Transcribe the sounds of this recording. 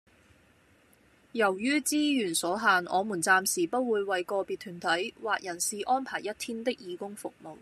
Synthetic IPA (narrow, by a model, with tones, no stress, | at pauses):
jɐ˨˩wjyː˥t͡siː˥jyː˨˩nsɔː˨˥ɦaː˨nʔɔ̰ː˨˧muː˨˩nt͡saː˧msiː˨˩pɐ˥t̚wuː˨˧jwɐ˨jkɔː˧piː˨t̪ʰyː˨˩nt̪ʰɐ˨˥jwaː˨k̚jɐ˨˩nsiː˨ʔɔː˥npʰaː˨˩jɐ˥t̚t̪ʰiː˥nt̪ɪ˥k̚jiː˨˧kʊ˥ŋfʊ˨k̚mo˨w